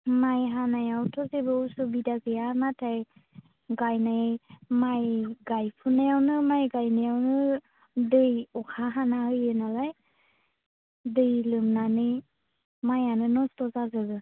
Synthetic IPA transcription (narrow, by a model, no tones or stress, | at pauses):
majɦanajawtʰɔzebɯusubidaɡɯjanatʰaj | ɡajnajmajɡajpʰunajawnɯmajɡajnajawnɯ | dɯjɔkʰaɦanahɯjɯnalaj | dɯjlɯmnanɯj | majanɯnɔstɔzazɯɡɯ